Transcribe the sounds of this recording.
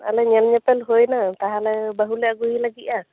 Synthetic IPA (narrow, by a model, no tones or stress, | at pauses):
a̰lɛɲɛlɲɛpɛlɦojnat̪aɦalɛbaɦulɛaɡuɦilaɡit̪a